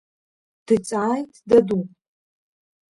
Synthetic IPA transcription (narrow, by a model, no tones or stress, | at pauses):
d̥ɨt͡sʼajtʰʼdadu